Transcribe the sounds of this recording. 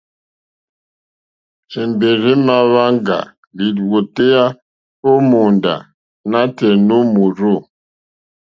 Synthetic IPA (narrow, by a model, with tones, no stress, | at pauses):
sɛ˨mbe˨ɾe˦ma˦βa˦ŋɡa̰˨ | li˨dwo˨te˦a˦ | o˦mu˨nda̰˨ | na˦te˨nu˦mu˨ɾo˦˨